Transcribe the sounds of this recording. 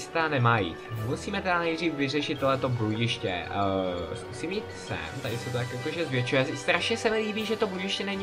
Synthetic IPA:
st̪anɛmaːjḭːt̪musiːmɛt̪ɛdanɛjd̪riːfvɪr̝ɛʃɪt̪ːoɦlɛt̪o̞buɟɪʃcɛ̰ | skusimiːt̪sɛ̰nt̪adɪsɛt̪ot̪akokoʒɛzvjɛt͡ʃujɛst̪ɾaʃɲɛsɛmɪliːbiːʒɛt̪obuɟɪʃcɛnɛɲ

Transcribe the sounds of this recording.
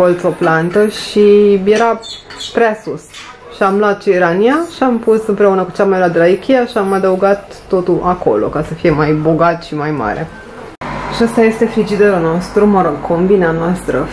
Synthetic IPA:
olt̪soplant̪əʃije̞ɾa | pɾeasus | ʃiamlat̪̚t͡ʃiiɾaniaʃiampusɨmpɾe̞unəku̥t͡ʃamajlad̪ɾaikʰʲijaʃiamad̪əuɡat̪ːo̞t̪ulʔako̞̰lo̞̰kasəfije̞majbo̞ɡat̪ʃimajma̰ɾe̞̰ | ʃiast̪aje̞st̪e̞fɾid͡ʒid̪eɾulno̞st̪ɾuməɾoɡ̚kʰombineanoast̪ɾə

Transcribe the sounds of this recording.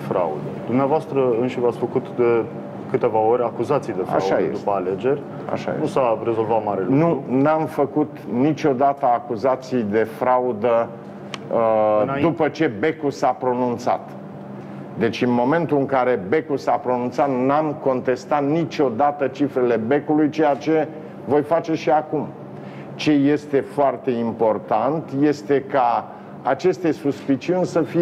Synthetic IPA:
fɾa̰ṵd̪əd̪umneavoast̪ɾəɨnʃivat̪sʲfəkut̪d̪e̞ | kɨt̪e̞vaoɾʲakuzat̪sijd̪e̞ffa̰aʃajed̪uspəale̞d͡ʒe̞rʲ | a̰ʃa̰jḛnusare̞zo̞lvat̪maɾelunuunamfəkut̪nit͡ʃʲo̞d̪at̪əakuzat̪sijd̪e̞fɾaud̪ə | d̪upət͡ʃe̞be̞kusapɾo̞nunt̪sa̰t̪ | d̪e̞t͡ʃʲɨnmo̞me̞nt̪uɨŋkaɾe̞be̞kusapɾo̞nunt̪sat̪namko̞nt̪e̞st̪at̪nit͡ʃo̞d̪at̪ət͡ʃifɾe̞le̞be̞kulujt͡ʃe̞jat͡ʃe̞ | vo̞jfat͡ʃe̞ʃiakum | t͡ʃe̞je̞st̪e̞foart̪e̞impo̞rt̪ant̪je̞st̪e̞ka | at͡ʃe̞st̪e̞suspit͡ʃiunʲsəfi

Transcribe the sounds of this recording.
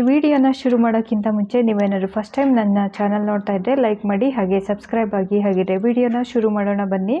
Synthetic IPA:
ʋiːɽijoːnːɐʃuɾumaːɽoːkːint̪ɐmuɲt͡ʃe̞niːʋeːnaːɾupʰɐsʈːɐjmnɐnːɐt͡ʃaːnɐlnoːɽt̪aːjid̪ɾe̞lɐjkmaːɽiɦaːɡe̞sɐbskɾɐjbaːɡiɦaːɡid̪ɾe̞ʋiːɽijoːnːɐʃuɾumaːɽoːɳɐbɐnːi

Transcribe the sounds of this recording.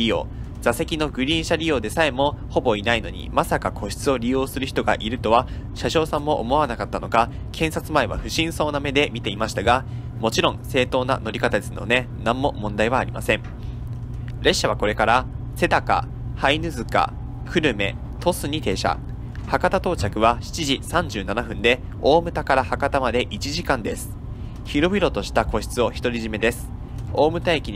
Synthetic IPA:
ɾʲijo̞̰ː | zase̞kʲino̞ɡɯ̟ɾʲĩɰ̃ɕaɾʲijo̞ːd̪e̞sae̞mo̞ho̞bo̞inaino̞ɲ̟ḭmasakakʰo̞ɕi̥t͡sɨo̞ɾʲijo̞ːsɨɾɯ̟çʲi̥t̪oɡa̰ʔiɾɯ̟t̪o̞βa | ɕaɕo̞ːsãmːo̞ʔo̰mo̞βanakat̪ːano̞ka | kʰẽ̞ɰ̃sat͡sɨmaeβa̰ɸɯ̟ɕĩɰ̃so̞ːname̞d̪e̞mʲit̪e̞imaɕi̥t̪aɡa | mo̞t͡ɕiɾõ̞ɴse̞ːt̪o̞ːna̰no̞ɾʲikat̪ad̪e̞sɨno̞̰ne̞nãmːo̞mõ̞nd̪aiβaːɾʲima̰sẽ̞ɴ | ɾe̞ɕːaβ̞ako̞ɾe̞kaɾa | se̞t̪aka̰ | hainɯ̟zɨka̰ | kʰɯ̟ɾɯ̟me̞̰ | t̪ʰo̞sɨɲ̟it̪e̞ːɕa̰ | hakat̪at̪o̞ːt͡ɕakɯ̟βaɕi̥t͡ɕiʑisãɲ̟d͡ʑɨːnanaɸɯ̟̃nd̪e̞ | o̞ːmɯ̟t̪akaɾahakat̪amad̪e̞ʔit͡ɕiʑikãnd̪e̞sɨ̥ | çiɾo̞bʲiɾo̞t̪o̞ɕi̥t̪ako̞ɕi̥t͡sɨo̞çi̥t̪o̞ɾʲiʑime̞d̪e̞sɨ̥ | o̞ːmɯ̟t̪aikʲi

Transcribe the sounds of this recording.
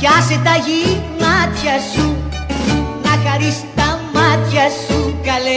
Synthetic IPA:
kaset̪aɣimat̪jasu | nakaɾist̪amat̪jasukale

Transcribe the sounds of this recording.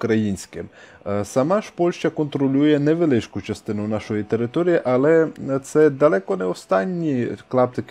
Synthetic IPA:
kɾɐjinʲsʲkɪm | sɐmaʃpɔlʲʃt͡ʃɐkɔnt̪ɾɔlʲujɛnɛʋelˠɪʃkʊt͡ʃɐst̪ɪnʊnaʃɔjit̪eɾɪt̪ɔɾʲijiʔɐlˠɛt̪sɛd̪ɐlˠɛkɔnɛɔst̪anʲːiklˠɑp̚t̪ɪk

